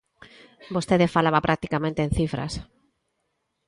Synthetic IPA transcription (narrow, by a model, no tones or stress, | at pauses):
bost̪eðefalaβapɾʔak̚t̪ikamẽnt̪ẽːnθifɾa̰s